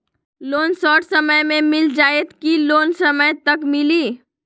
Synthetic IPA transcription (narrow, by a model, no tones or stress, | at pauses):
loːnsɔːʈsəməjmẽmɪld͡ʒaːet̪kiloːnsəməjt̪əkmɪliː